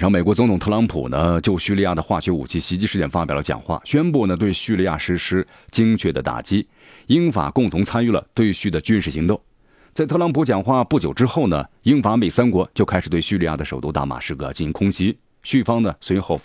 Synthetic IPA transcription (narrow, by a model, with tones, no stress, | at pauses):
ʂɑ˧˥ŋme˨˩ɪkwt͡sʊ˧ŋt̪ʰʊ˨˩ŋt̪ʰɤ˥˩lɑ˧˥ŋpʰṵ˨˩nə˦t͡ɕjo˥˧ʊɕy˥˧li˥˧ja˥˩d̪ə˩xwa̰˥˩t͡ɕʰɥɛ˧˥ṵ˨˩t͡ɕʰi˥˩ɕi˧˥t͡ɕi˥˧ʂɻ̩˥˧t͡ɕjɛ˥˩nfa˥pjɑ˨˩lə˦t͡ɕjɑ̰˨˩ŋxwa̰˥˩ɕɥɛ˥npu˥˩nə˩t̪we˥˧ɪɕy˥˧li˥˧ja̰˥˩ʂɻ̩˧˥ʂɻ̩˥ | t͡ɕi˥ŋt͡ɕʰɥɛ˥˩d̪ə˦t̪a̰˨˩t͡ɕi˥ | i˥nfa̰˨˩kʊ˥˩ŋt̪ʰʊ˧˥ŋt͡sʰa˥ny˥˩lə̰˩t̪we˥˧ɪɕy˥˩d̪ə˩t͡ɕy˥nʂɻ̩˥˩ɕi˧˥ŋt̪ʊ˥˩ŋ | t͡sa˥˧ɪt̪ʰɤ˥˧lɑ˥ŋpʰu˧˥t͡ɕjɑ˨˩ŋxwa˥˧pu˥˩t͡ɕjʊʈ͡ʂɻ̩˥xo˥˩ʊnə̰˩ | i˥nfa˧˥me˨˩ɪsa˥nkwɔ˧˥t͡ɕjo˥˧ʊkʰa˥ʂ̩˨˩t̪we˥˩ɪɕy˥˧li˥˧ja̰˥˩d̪ə˩ʂo˨˩ʊt̪u˥˧t̪a̰˥˩ma̰˨˩ʂɻ̩˥˩kə̰˧˩t͡ɕi˥˩i˧˥ŋkʰʊ˥ŋɕi˥ | ɕy˥˩fɑ˥ŋnə˨swe˧˥xo˥˩ʊ